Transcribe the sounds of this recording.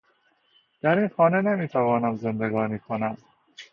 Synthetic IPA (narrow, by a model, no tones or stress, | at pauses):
d̪̥æɾiːnxɒːne̞nemiːt̪ʰævɒːnæmze̞nd̪e̞ɡɒːniːkʰonæm